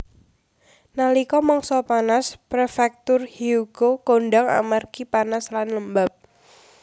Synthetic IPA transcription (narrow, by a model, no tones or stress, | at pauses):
nalikɔmɔŋsɔpanaspɾefɛk̚t̪ʊrhiuɡ̥okonɖaŋa̰markipanaslanləmbap̚